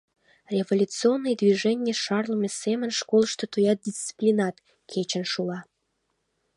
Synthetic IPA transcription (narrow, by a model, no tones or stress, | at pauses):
rʲevolʲut͡sionːɨjd̪viʒɛnʲjəʃɑrləmesemənʃkolˠʃt̪ot̪ojɑt̪̚d̪ʲist͡si̥plʲinɑt̪ | kʰet͡ɕənʃulɑ